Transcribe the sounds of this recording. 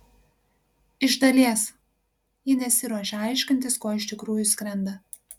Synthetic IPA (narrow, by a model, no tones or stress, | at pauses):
ɪʒd̪ɐlʲiɛs | jɪnʲɛsʲɪɾuːʃʲɛɐˑɪʃʲkʲɪnʲt̪ʲɪskoːɪʃʲt̪ʲɪkɾuːjʊsʲkʲɾʲɛnd̪ɐ